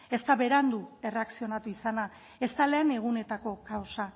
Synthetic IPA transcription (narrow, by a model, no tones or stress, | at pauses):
e̞st̪aβe̞ɾand̪ue̞re̞aksio̞nat̪uisana | e̞st̪ale̞ːne̞ɣ̞une̞t̪ako̞kawsa